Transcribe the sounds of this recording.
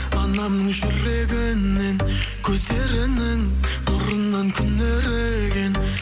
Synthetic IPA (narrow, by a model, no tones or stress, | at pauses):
ɑnɑmnəɴʒʏɾe̞ɡʲɪnːe̞nkʲʰɵzd̪e̞ɾɪnɪŋbʊɾənːɑŋkʲʰʏnd̪e̞ɾɪekʲʰen